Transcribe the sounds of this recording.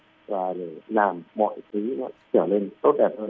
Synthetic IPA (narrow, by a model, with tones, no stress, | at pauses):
vaː˨˩ɗe˧˩laː˨˩mːɔ̰˧˨jt̪ʰi˨˦nɔ˨˦t͡ɕəː˧˩le˧nt̪o˦˥t̚ɗɛ˧˩p̚hə˧